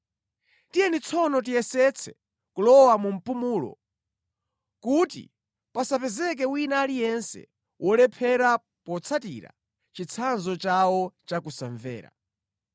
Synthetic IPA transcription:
tijɛnit͡sʰɔnɔt̬ijɛsɛt͡sʰɛ | kulɔwamum̩pumuːlɔ̰ | kutḭ | pasapɛzɛk̬ɛwinaːlijɛnsɛ̰ | wʔɔlɛpʰɛɾa | pɔt͡sʰatḭɾa̰ | t͡ʃit͡sʰanzɔt͡ʃawɔt͡ʃakusaɱvɛ̰ːɾa̰

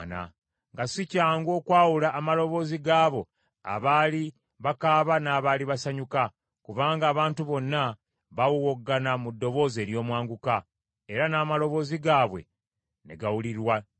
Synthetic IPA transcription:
na̰ | ŋɡasicaːŋɡo̞ːkwaːwulaʔːmalo̞βo̞ːziɡaːβo̞ | a̰βaːli | βakaːβanaːβaːliβasaɲuka | kuβaːŋɡaːβaːntuβo̞nːa | βawuwoɡːanamudːo̞βo̞ːze̞ːɾjo̞ːmwaːŋɡuka | e̞ɾanaːmalo̞βo̞ːziɡaːβwe̞̰ | ne̞̰ɡawuliɾwa

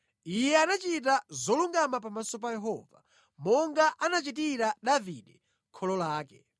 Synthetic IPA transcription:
ijɛanat͡ʃit̬azɔluŋɡamapamasɔp̬ajɛɦɔ̰ːva̰ | mɔŋɡaʔanat͡ʃit̬iɾaɗaviɗɛ | kʰɔlɔlaːkɛ

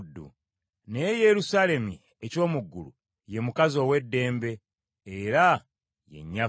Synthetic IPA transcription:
dːṵ | nejeɾusale̞mi | eco̞ːmuɡːulṵ | je̞mukazo̞we̞dːe̞ːmbe̞ː | ɾa | jḛɲːa

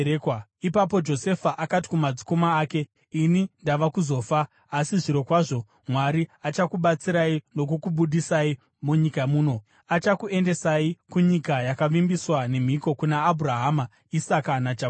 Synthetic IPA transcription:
ekwaipap̬o̞d͡ʒo̞se̞faʔakati̥kumad͡zikomaːke̞ | inindaʋakuzo̞ːfaː | siʐiɾo̞kwaːʐo̞ | mwaɾiat͡ʃakuɓat͡siɾaino̞k̬ukuɓuɗisai | muɲikamuːno̞ | at͡ʃakue̞nde̞saikuɲikajakaʋimbiswane̞m̤iko̞kunaːbʱuraɦama | isakanat͡ʃa

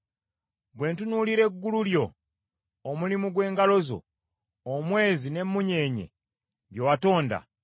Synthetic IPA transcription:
bwe̞ːntunuːliɾe̞ɡːululjo̞ː | mulimuɡwe̞ːŋɡalo̞zo̰ː | mwe̞ːzine̞mːuɲe̞ːɲe̞̰ | bjoːwato̞ːnda̰

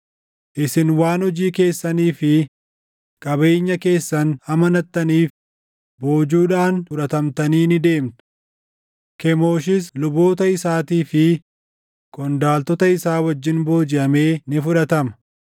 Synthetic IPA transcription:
ʔɪsɪnwaːnɔd͡ʒiːke̞ːsːɐniːfɪ | kʼɐbe̞ːɲːɐke̞ːsːɐnhɐmɐnɐt̪ːɐniːf | bo̞ːd͡ʒuːᶑaːnʊᶑɐt̪ɐmt̪ɐniːnɪd̪e̞ːmt̪ʊ̥ | kɛmo̞ːʃɪs̬lʊbo̞ːt̪̬ɐɪsaːt̪iːfɪ | kɔnd̪aːlt̪ɔt̪ɐɪsaːwɐd͡ʒːɪnbo̞ːd͡ʒɪʔɐme̞ːnɪfʊᶑɐt̪ɐmɐ̥

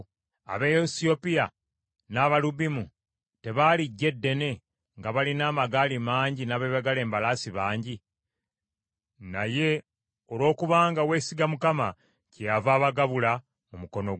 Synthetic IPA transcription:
a̰βeosio̞pija | naːβalubimu | te̞βaliɟːe̞dːe̞ne̞ | ŋɡaβalinaːmaɡalimaːɲɟinaβeβaɡale̞ːmbalaːsiβaːɲɟi | naje̞ | olwo̞ːkuβaːŋɡawe̞siɡamukama | cejavaːβaɡaβula | mumuko̞noɡ

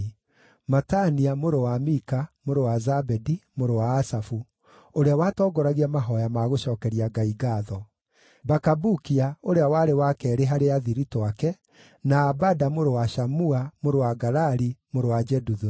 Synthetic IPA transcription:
mataniamoɾowamikamoɾowazabɛdimoɾowaːsafu | oɾeawatɔːɡɔɾaɣiamaɦɔjamaɣoɕɔːkɛɾiaɡaiɡaðɔ | bakabukiaoɾeawaɾewakɛɾeɦaɾeaðiɾitoakɛ | naːbadamoɾowaʃamuamoɾowaɡaɾaɾimoɾowad͡ʒɛduðo

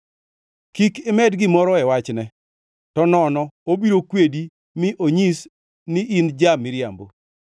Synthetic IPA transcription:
kikɛmɛdɡɪmɔɾɔɛwat͡ʃnɛ | tɔnɔnɔobiɾokwedi | mɪʔoɲis | nɪʔind͡ʒamɪɾja̰mbo̰

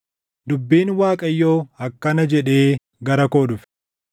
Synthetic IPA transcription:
d̪ʊbːiːnwaːkʼɐjːoːɐkːɐnɐd͡ʒɛᶑe̞ː | ɡɐɾɐko̞ːdʊfɪ̥

